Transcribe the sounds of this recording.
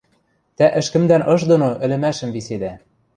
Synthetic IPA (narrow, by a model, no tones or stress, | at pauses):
t̪æʔɘ̆ʃkɘ̆md̪ænʔɤ̆ʃd̪onoʔɘ̆lɘ̆mæʃɘ̆mvised̪æ